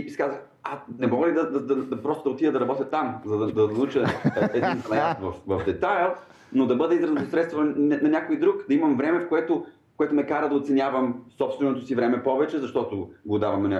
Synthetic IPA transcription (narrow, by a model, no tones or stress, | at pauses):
iisɛ̥kazəx | asnɛmɔɡəlid̪ɐd̪ɐd̪ɐd̪ɐpɾɔst̪ʊd̪ɐot̪ivjəd̪ɐɾɐbɔt̪ʲjɐt̪amzɐd̪ɐd̪ɐnɐut͡ʃəɛdinslˠɛnt̪vɐfvɐvd̪ɛt̪ajlˠ | nod̪ɐbɤd̪ɛizɾɐzt̪osɾɛt̪st̪vonɐnʲakoid̪ɾukd̪ɐimɐmvɾɛmɛfkoɛt̪o | koɛt̪ʊmɛkaɾəd̪ɐot̪sɛnʲjavɐmsɔpst̪vɛnot̪osivɾɛmɛpɔvɛt͡ʃɛzɐʃt̪ɔt̪oɡod̪avɐmnɐnʲa